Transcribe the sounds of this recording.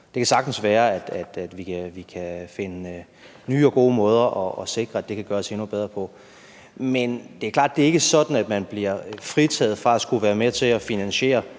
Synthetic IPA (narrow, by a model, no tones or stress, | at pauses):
d̥e̝kʰæsɑ̈ɡ̥d̥n̩sʋæːɐæd̥æd̥æd̥ʋikʰæʋikʰæfe̝nə | nyːɒ̽ɡ̥o̝̰ːmɔ̽ːð̞ˠɐʔɒːse̝ɡ̥ʁɐæd̥e̝kʰæɡ̥ɶːɐse̝nub̥eð̞ˠʁɐpʰɒ̽ | mend̥e̝æɐklɑ̰ːd̥d̥e̝e̝ɡ̥əsɒ̽d̥n̩æd̥mænb̥liɐfʁit͡sʰɛ̰ːð̞̩ˠfʁɑ̈æsɡ̥uʋæːɐmet͡sʰe̝læfinænɕe̝̰ːɐ